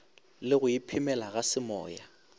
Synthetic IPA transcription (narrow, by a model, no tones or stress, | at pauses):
lɪɣʊjipʰɪmɛlaɣasɪmɔ̰ːja